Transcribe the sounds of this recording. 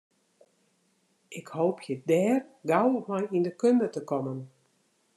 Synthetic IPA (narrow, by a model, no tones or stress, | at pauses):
ʔɪkhoːwpʰjədɛːrɡawmajindəkøndətəkɔmən